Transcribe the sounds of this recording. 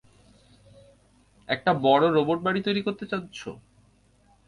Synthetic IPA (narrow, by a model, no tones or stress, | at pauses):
ɛk̚ʈabɔɽoɾoboʈ̚baɽit̪ojɾikoɾt̪et͡ɕat̪ːɕʰo̰